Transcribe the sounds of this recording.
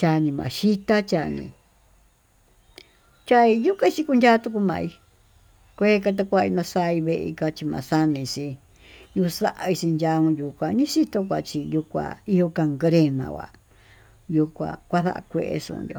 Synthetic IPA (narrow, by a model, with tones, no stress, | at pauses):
t͡ʃa˧nĩ˧mã̰˨ʃi˦t̪a˦t͡ʃa˧nḭ̃˧ | t͡ʃa˦i˧ju˦ka˦˧t͡ʃi˧ku˧ndʲa˦t̪u˧k̬u˧mã̰˧i˧ | kʷe˦ka˧t̪̬a˧kʷu˧a˧i˧nã˧sa˦˧i˧βe˧ʔḭ˧ka˧t͡ʃi˧mã̰˨sa˦˧nĩ˧si˧ | ju˧sa˦ʔa˧i˧si˧nd͡ʒa˧ũ˧ju˨˧kʷã˧nĩ˦si˦t̪o˧k̬ʷa˧˨t͡ʃi˧ju˧kʷa̰˧˨i˦jo˧ka˧ŋɡɾe˧mã̰˨wʷa̰˨ | ju˧kʷã̰˧˨kʷa˦ða̰˦ʔa̰˧kʷḛ˧ʔḛ˧ʂṵ̃˧jo̰˧